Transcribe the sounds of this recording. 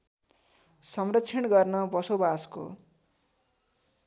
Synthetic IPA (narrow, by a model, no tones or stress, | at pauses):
sʌmrʌtːt͡sʰjʌnɡʌrnʌbʌsobasko̰